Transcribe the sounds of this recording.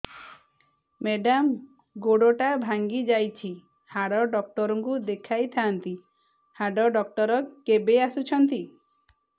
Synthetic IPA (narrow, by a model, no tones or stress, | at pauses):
meɖam | ɡoɽoʈabʱaŋɡid͡ʒajt͡ʃʰi | haɽɔɖɔk̚ʈɔɾɔŋkud̪ekʰajt̪ʰaːnt̪i | haɖɔɖɔk̚ʈɔɾɔkebeasut͡ʃʰɔnt̪i